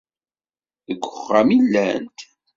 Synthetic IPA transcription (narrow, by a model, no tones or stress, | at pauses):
ðəɡʷːəχːamilːænt̪